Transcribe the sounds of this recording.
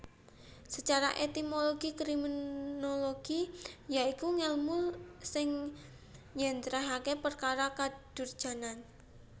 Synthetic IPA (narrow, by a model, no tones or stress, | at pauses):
sət͡ʃaɾaʔet̪imoloɡ̥ikɾiminoloɡ̥ijaikuŋɛlmʊlsɪŋ | jɛnt̪ɾaɦakepərkaɾakad̥ʊ̤rd̥ʒ̥a̤nan